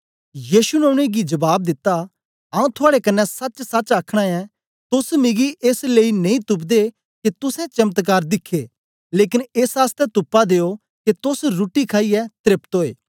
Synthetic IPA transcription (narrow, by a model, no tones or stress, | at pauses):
jiːʃunɐʊ̃ɽ̃eɡid͡ʒɐbaːb̚d̪ɪt̪ːa | ɐũt̪ʰʊaːɽekɐnːɛsɐt͡ʃsɐt͡ʃaːkʰɽ̃ãɛ̃ | t̪ʊsmɪɡiʔeːsleːinɐ̃ĩt̪ʊp̬d̪e | ket̪ʊsɛ̃t͡ʃɐmt̪k̬aːɾd̪ɪkʰːe | leːk̬ɪneːsaːst̪ɛt̪ʊpːad̪eːo | ket̪ʊsɾuːʈikʰaːiɛt̪ɾɪpt̪oːḛː